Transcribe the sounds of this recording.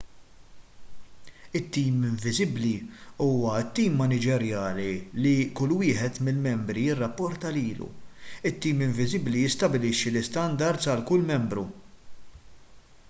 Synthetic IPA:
ɪt̪ːiːmɪɱvɪzɪbliuːwɐɪt̪ːiːmːɐnɪd͡ʒɛɾjɐːlilikʊlːwɪːħɛt̪mɪlmɛmbɾijɪrːɐpːɔɾt̪ɐliːlṵɪt̪ːiːmɪɱvɪzɪblijɪst̪ɐbɪlɪʃːilɪst̪ɐnd̪ɐɾt̪sɐlkʊlːmɛmbɾṵ

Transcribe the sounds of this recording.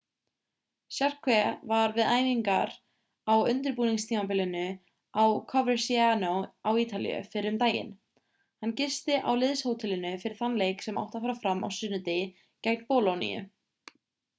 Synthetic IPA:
sjar̥kʰvɛvaɾvɪðaːjmiŋkaɾ | awʏnt̪ɪɾpuːniŋst̪ʰiːmap̬ɪlɪnʏ | awkʰɔvɛɾsianowawiːt̪alḭjʏ̰fɪɾɪʏmt̪aːjɪ̰n | hanːcɪst̪ɪʔawlɪðshoːwt̪ʰɪlɪnʏfɪɾɪɾ̥θanlejksɛma̰wht̪afaːɾafɾamːa̰wsʏːnʏt̪ɪ | cajknpɔːlonḭjʏ̰

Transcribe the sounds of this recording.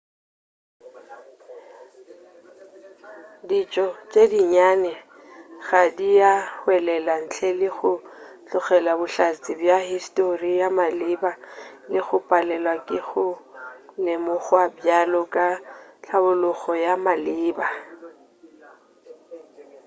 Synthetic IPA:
dit͡ʃʼɔt͡ʃʼediɲanɛ | ɣadijahwɛlɛlan̩t͡ɬʰɛlɪɣʊɬɔχɛlabʊɬat͡sʼɪbjahistʼorijamalɪbalɪɣʊpʼalɛlwakʼɪɣʊlɪmʊχwabjalɔkʼat͡ɬʰabʊlʊɣɔjamalɪːba

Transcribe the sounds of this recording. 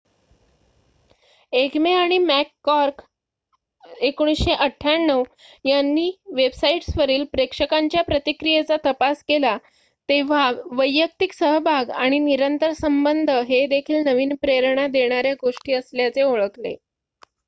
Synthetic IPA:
ekmeaɽ̃imækːɔɾk | ekoɽ̃isɕeʔəʈʰːjanːəʋjanːiːʋebsaiʈsʋəɾiːlpɾekʂəkaɲt͡ɕjapɾət̪ikɾijet͡sat̪əpaskela | t̪eʋ̤aʋəjːək̚t̪iksəɦbʱaɡaɽ̃iniɾənt̪əɾsəmbənd̪ʱəɦed̪ekʰiːlnəʋiːnpɾeɾɳ̃ad̪eɽ̃aɾjaɡoʂʈiːəsljat͡seoɭəklḛ

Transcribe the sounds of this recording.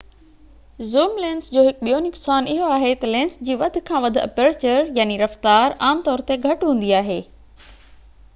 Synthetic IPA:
zuːmlẽːnsd͡ʑoːɦɪkɓijonɪɡsaːnɪɦoaːɦet̪ɐlẽːnsd͡ʑiːʋɐd̪ʱʊ̆kʰãːʋɐd̪ʱʊɐ̰peɾt͡ɕəɾjaːniɾɐft̪aːɾaːmt̪ɔːɾt̪eɡʱɐʈɦũːn̆d̪iaːɦeː

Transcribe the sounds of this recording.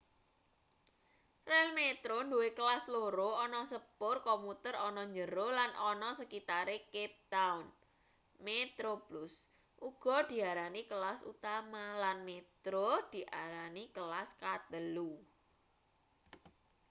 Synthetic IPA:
rɛlmet̪ɾond̪uwekəlasloɾoɔnɔsəpʊrkɔmut̪əɾɔnɔɲd͡ʒəɾolanʔɔnɔsəkit̪aɾekɛp̚t̪aun | met̪ɾoblus | ʔuɡ̥ɔ̤d̪̥i̤aɾanikəlasṵt̪amalanmet̪ɾod̪̥i̤ʔaɾanikəlaskat̪əlu

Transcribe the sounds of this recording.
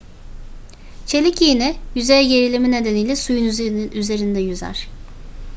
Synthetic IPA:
t͡ʃʰelʲicinɪjyzejɛɟe̞ɾilʲimine̞d̪eniːlʲɛsujunyyze̞ɾind̪ɛjyzæ̰ɾ̥

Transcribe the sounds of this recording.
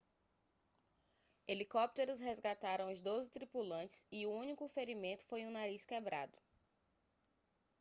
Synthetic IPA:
elikɔp̚t̪eɾʊsɦezɡat̪aɾɐ̃w̃ʊzd̪ozɪt̪ɾipulɐ̃t͡ʃɪ̥siuũnikʊfeɾimẽnt̪ʊ̥fojũnaɾiskebɾa̰d̪ʊ̥

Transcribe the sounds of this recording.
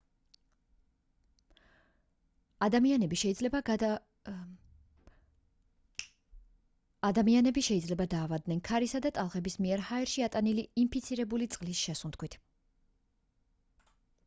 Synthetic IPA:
ad̪amianɛbiʃɛid̪zlɛba | ad̪amianɛbiʃɛid̪zlɛbad̪aːvad̪nɛnkʰaɾisad̪at̪ʼalˠχɛbismiɛɾhaɛɾʃiat̪ʼaniliːmpʰit̪sʰiɾɛbulit̪sʼqʼlisʃɛsunt̪kwit̪ʰ

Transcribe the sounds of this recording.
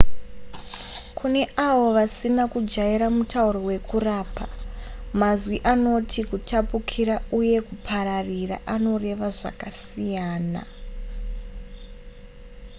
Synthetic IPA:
kʰune̞aʋo̞ʋasinakud͡ʒaiɾamutauɾo̞we̞kuraːpʰamazwiʔano̞tʰikutapukʰiɾauje̞kupʰaɾarira̰ʔano̞re̞ʋaʐa̰kasijaːna̰

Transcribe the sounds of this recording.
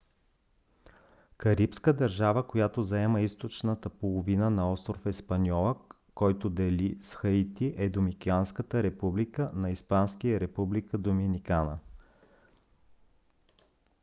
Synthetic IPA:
kɐɾipskəd̪ɐɾʒavəkojat̪ozɐɛmɐist̪ot͡ʃnət̪əpolˠovinənɐɔst̪ɾofɛspɐnʲɔlˠə | kɔjt̪od̪ɛlisxəit̪iʔɛd̪omikianskət̪əɾɛpublikənɐispanskijəɾɛpublikəd̪ominikanə̰

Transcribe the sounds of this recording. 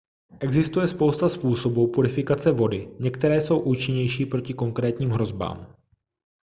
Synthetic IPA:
ʔɛɡzɪst̪ujɛspo̞wst̪aspuːso̞buːpuɾɪfɪkat͡sɛvo̞dɪɲɛkt̪ɛɾɛːso̞wʔuːt͡ʃɪɲɛjʃiːpɾo̞cɪko̞ŋkɾɛːt̪ɲiːmɦɾo̞zba̰ːm

